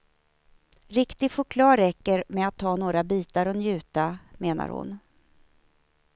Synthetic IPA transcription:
ɾɪkt̪ɪɡɧʊkʰlɑːɾɛkːəɾmɛat̪ʰːɑːnoːɾabiːt̪aɾɔnjʉ̟ːt̪ameːna̰ɾhʊ̰n

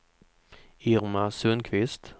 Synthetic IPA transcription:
ɪɾmasɵnkʰvɪst̪

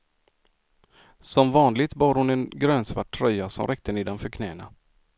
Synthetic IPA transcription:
sɔmvɑːnlɪɡt̪bɑːɾhʊnɛnɡɾøːnsvaʈʰːɾœjasɔ̰mɾʔɛk̚t̪əniːd̪anfœɾkʰnɛːna

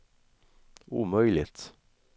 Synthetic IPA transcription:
ʔṵːmœʏlɪ̰t̪

